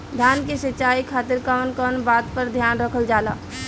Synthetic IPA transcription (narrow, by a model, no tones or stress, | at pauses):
d̪ʱjaːnkesət͡ʃaːikʰaːt̪ɪɾkəʋənkɔːnbaːt̪pəɾd̪ʱjaːnɾəkʰəld͡ʒaːla̰ː